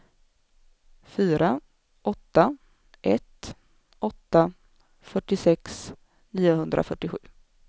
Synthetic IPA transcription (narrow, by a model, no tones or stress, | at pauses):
fyːɾa | ɔt̪ːa | ʔɛt̪ | ʔɔt̪ːa | fœʈːɪsɛks | niːʊɦɵnd̪ɾʔa̰fœʈːɪɧʉ̟̰ː